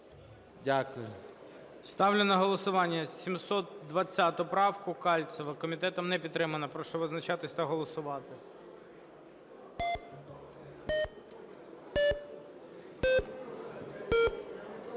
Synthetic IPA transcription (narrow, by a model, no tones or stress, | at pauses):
dʲakʊjʊ | st̪ɑwlʲɪnɐɦɔlˠɔsʊʋɑnʲːɐsʲimsɔt̪̚d̪ʋɐt͡sʲːat̪ʊpɾɑwkʊkɑlʲt̪sɔʋɐkɔmʲit̪ɛt̪ɔmnɛpʲit̪ːɾɪmɐnɐpɾɔʃɛʋɪznɐt͡ʃɑt̪ɪsʲt̪ɐɦɔlˠɔsʊʋɑt̪ɪ